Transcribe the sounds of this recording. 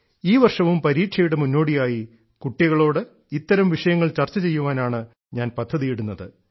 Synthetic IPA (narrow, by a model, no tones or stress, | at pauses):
iːʋɐrʂɐʋumpɐɾiːʈʂɐjuɽemunːo̞ːɽijaːji | kuʈːjɐɣɐɭo̞ːɽɨ | it̪ːɐɾɐmʋiʂɐjɐŋːɐɭt͡ɕɐrt͡ɕːɐt͡ɕe̞jːuʋaːnaːɳɨ | ɲaːnpɐd̪ʱːɐðijiɽunːɐðɨ